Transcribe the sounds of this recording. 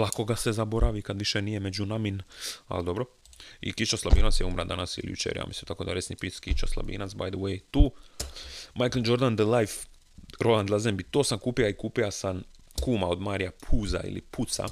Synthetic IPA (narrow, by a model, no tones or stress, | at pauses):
lˠako̞ɡase̞zabo̞ɾaʋikad̪ʋiʃenije̞med͡ʒunamina̰ld̪o̞bɾo̞ | ḭkit͡ʃaslabiːnat̪sjeumɾad̪anasḭlijṵt͡ʃḛɾja̰ːmisinmt̪akod̪aɾesnipit̪skit͡ʃaslˠa̰bḭːnat̪sba̰jd̪əwejt̪uː | majkld͡ʒo̞ɾd̪and̪əlajf | ɾo̞land̪lˠazembit̪oːsamkuːpijaikuːpijasam | kuːmao̞d̪maːɾijapʰuːza̰ḭlḭput̪sa̰